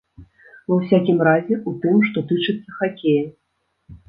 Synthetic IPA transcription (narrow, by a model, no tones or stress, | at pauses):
vɐwsʲakʲimrazʲɛut̪ɨmʂt̪ɔt̪ɨt͡ʂɨt̪sːɐxakʲejɐ